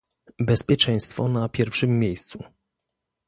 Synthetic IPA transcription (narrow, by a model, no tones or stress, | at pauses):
bɛspʲjɛt͡ʂɛ̃j̃st̪fɔnapʲjɛɾfʂɘmːjejst̪su